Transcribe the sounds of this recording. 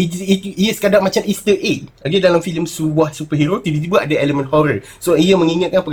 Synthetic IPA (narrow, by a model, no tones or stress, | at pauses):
iiijəsə̥kadaʔmãt͡ʃamist̪əʔet̪̚aɡədalamfiləmsubwahsupəɦeɾot̪ibit̪ibuaʔadaeləmə̃nhɔɾə | soijəmə̃ŋiŋãt̪̚kanpəɡ